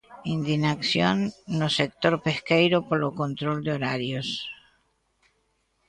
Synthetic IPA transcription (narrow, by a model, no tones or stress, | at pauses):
ind̪inaksjonːosek̚t̪o̞ɾpe̞skejɾopoloko̞nt̪ɾo̞ld̪eoɾaɾjos